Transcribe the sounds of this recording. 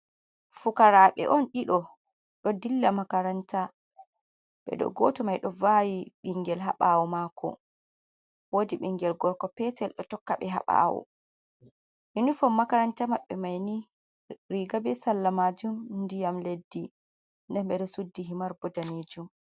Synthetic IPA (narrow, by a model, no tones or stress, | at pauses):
fukaɾaɓɛ̰ʔɔnɗiɗɔ | ɗɔdilːamakaɾanta | ɓɛ̰ɗɔ̰ɡɔtɔmajɗɔvawiɓiŋɡɛlɦa̰ɓawɔmakʰɔ̰ | wodiɓiŋɡɛlɡɔɾkɔpɛtɛlɗɔtɔkːaɓɛɦa̰ɓa̰wɔ̰ | ʔinufɔmːakaɾantamaɓːɛmajni | ɾiɡabɛsalːamad͡ʒumndijamledːi | ndɛnɓɛɗɔsudːiɦimaɾbɔdaned͡ʒum